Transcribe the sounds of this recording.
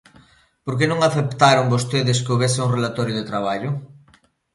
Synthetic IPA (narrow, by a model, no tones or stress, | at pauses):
poɾk̬enõŋaθept̪aɾʊŋbost̪eðɪskɪoβesɪuŋrelat̪ɔɾjʊðet̪ɾaβ̞aʎʊ